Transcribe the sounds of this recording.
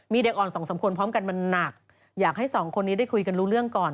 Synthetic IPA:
miː˧de˨˩k̚ʔɔː˨˩nsɔː˩˦ŋsa˨˩˦mkʰu˧ənpʰɾɔː˦˥mka˧nma˧nːa˨˩k̚ | jaː˨˩k̚ha˥˩jsɔː˩˦ŋkʰo˧nːiː˦˥daː˥˩kʰu˧jka˧nɾuː˦˥ɾɯ˥˩əŋkɔː˨˩n

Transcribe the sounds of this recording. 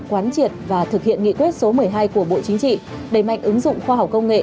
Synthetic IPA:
kwaː˨˦nt͡ɕi˨˩ət̚vaː˨˩t̪ʰɨ˨˩k̚hi˧˨ənŋḭ˧˨kwi˦˥t̚so˨˦mɨ˨˩əjɦaː˧jku˧˩əɓo̰˧˨t͡ɕi˨˦ŋ̟t͡ɕḭ˧˨ | ɗe˧˩jma̰˧˨jŋ̟ʔɨ˨˦ŋzʊ̰˧˨ŋ͡mxwaː˧ɦa˨˩wk͡p̚kːə˧wŋ͡mŋḛ˧˨

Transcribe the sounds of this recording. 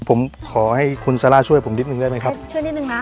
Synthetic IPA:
pʰo˩˦mkʰɔː˩˦ha˥˩jkʰu˧nsa˧laː˥˩t͡ɕʰu˥˩jpʰo˩˦mni˦˥t̪̚nɯ˧ŋdaː˥˩jma˥˩kʰa˦˥p̚u˥˩ni˦n˧ŋ˦

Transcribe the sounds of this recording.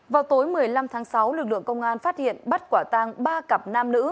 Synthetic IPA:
vaː˨˩wt̪o˨˦jmɨ˨˩əjla˧mt̪ʰaː˨˦ŋsa˨˦wlɨ˨˩k̚lɨ̰˧˨əŋkə˧wŋ͡mʔaː˧nfaː˦˥t̚hḭ˧˨ənɓa˦˥t̚kwaː˧˩t̪aː˧ŋɓaː˧kə˨˩p̚naː˧mnɨ̰˧˥

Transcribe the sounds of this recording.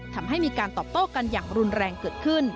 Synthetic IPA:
t̪ʰa˧mɦa˥˩jmiː˧kaː˧nt̪ɔː˨p̚t̪oː˥˩ka˧njaː˨˩ŋɾu˧nɾɛː˧ŋkɤː˨˩t̪̚kʰɯ˥˩n

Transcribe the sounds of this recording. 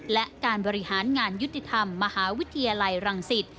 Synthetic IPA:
lɛ˦˥kaː˧nbɔː˧ɾi˦˥haː˩˦nŋaː˧nju˦˥t̪ːi˨˩t̪ʰa˧mːa˧haː˩˦wi˦˥t̪ʰːi˧jaː˧la˧jɾa˧ŋsi˨˩t̪̚

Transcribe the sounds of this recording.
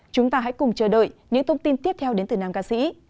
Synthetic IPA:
t͡ɕʊ˨˦ŋ͡mt̪aː˧ɦa̰˧˥jkʊ˨˩ŋ͡mt͡ɕəː˧˩ɗəː˧˨jɲɨ̰˧˥ŋt̪ʰə˧wŋ͡mt̪i˧nt̪i˦˥əp̚t̪ʰɛ˧wɗe˨˦nt̪ɨ˨˩naː˧mkaː˧sḭ˧˥

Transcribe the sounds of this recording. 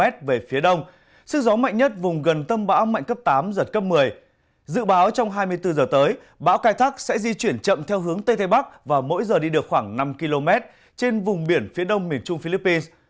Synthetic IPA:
ɛ˦˥t̚ve˨˩fi˨˦əɗə˧wŋ͡m | sɨ˦˥k̚zɔ˨˦ma̰˧˨jŋ̟ɲə˦˥t̚vʊ˨˩ŋ͡mɣə˨˩nt̪ə˧mɓa̰ː˧˥wma̰˧˨ŋ̟kə˦˥p̚t̪aː˨˦mzə˨˩t̚kə˦˥p̚mɨ˨˩əj | zɨ̰˧˨ɓaː˨˦wt͡ɕɔ˧wŋ͡mɦaː˧jmɨ˧əjt̪ɨ˧zəː˨˩t̪əː˨˦j | ɓa̰ː˧˥wxaː˧jt̪ʰaː˦˥k̚sɛ̰˧˥zi˧t͡ɕwi˧˩ənt͡ɕə̰˧˨mt̪ʰɛ˧wɦɨ˨˦əŋt̪ə˧jt̪ʰə˧jɓa˦˥k̚vaː˨˩mo̰˧˥jzəː˨˩ɗi˧ɗɨ˨˩əkxwaː˧˩ŋna˧mki˧lo˧mɛ˦˥t̚ | t͡ɕe˧nvʊ˨˩ŋ͡mɓi˧˩ənfi˨˦ɗə˧wŋ͡mmi˨˩ənt͡ɕʊ˧ŋ͡mfi˧li˦˥pːi˧ns

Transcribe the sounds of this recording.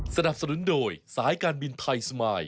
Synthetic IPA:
sa˧na˨˩p̚sa˧nu˩˦ndoː˧jsaː˩˦˥jkaː˧nbi˧nt̪ʰa˧jsmaː˧j

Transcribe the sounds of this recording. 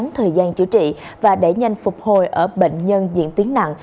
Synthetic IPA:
ŋt̪ʰəː˨˩jzaː˧nt͡ɕɨ̰˧˩t͡ɕḭ˧˨vaː˨˩ɗe˧˩ɲa˨˩jŋ̟fʊ˨˩k͡p̚ho˨˩jʔəː˧˩ɓḛ˧˨ŋ̟ɲə˧nzḭ˧˨ənt̪i˨˦əŋna̰˧˨ŋ

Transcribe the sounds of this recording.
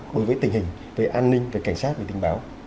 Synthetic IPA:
ɗo˨˦jvəː˨˦jt̪hï˨˩ŋ̟ | ve˨˩ʔaː˧nːï˧ŋ̟ve˨˩ka˧˩ŋsaː˦˥t̚ve˨˩ï˨˩ŋ̟ɓaː˨˦w

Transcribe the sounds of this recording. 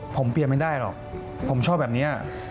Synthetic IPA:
pʰo˩˦mpi˨˩ma˥˩jdaː˥˩jlɔ̰˨˩k̚ | pʰo˩˦mt͡ɕʰɔː˥˩bɛː˨˩p̚niː˦˥˩

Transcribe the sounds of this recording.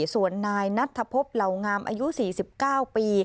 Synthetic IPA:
su˨˩ənːaː˧jna˦˥t̪ʰːa˧pʰo˦˥p̚la˨˩wŋaː˧mʔa̰ː˧ju˦˥siː˨˩si˨˩p̚kaː˥˩wpiː˧

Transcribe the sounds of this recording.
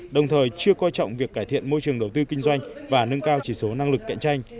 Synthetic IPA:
ɗə˨˩wŋ͡mt̪ʰəː˨˩jt͡ɕɨ˧əkɔ˧jt͡ɕɔ̰˧˨wŋ͡mvi˨˩əkːaː˧˩jt̪ʰḭ˧˨ənmo˧jt͡ɕɨ˨˩əŋɗə˨˩wt̪ɨ˧kï˧ŋ̟zwa˧jŋ̟vaː˨˩nə˧ŋkaː˧wt͡ɕi˧˩so˨˦na˧ŋlɨ˨˩kːa̰˧˨jŋt͡ɕa˧jŋ̟

